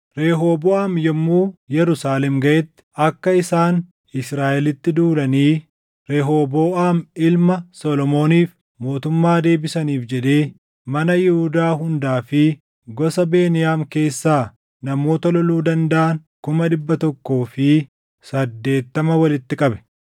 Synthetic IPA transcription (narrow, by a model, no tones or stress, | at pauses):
ɾe̞ːɦoːboːʔaːmjɔmːuːjɛɾʊsaːlɛmɡɐʔɛt̪ːɪ̥ʔɐkːɐɪsaːn | ɪsɾaːʔɛlɪt̪ːɪd̪uːlɐniː | ɾeːɦoːboːʔaːmɪlmɐsɔlɔmo̞ːniːf | mo̞ːt̪ʊmːaːd̪e̞ːbɪsɐniːfd͡ʒɛᶑe̞ː | mɐnɐjɪhʊd̪aːɦʊnd̪aːfɪ | ɡɔsɐbe̞ːnɪjaːmke̞ːsːaː | nɐmo̞ːt̪ɐlɔluːd̪ɐnd̪ɐʔɐnkʊmɐᶑɪbːɐt̪ɔkːo̞ːfɪ | sɐd̪ːe̞ːt̪ːɐmɐwɐlɪt̪ːɪkʼɐbɛ̥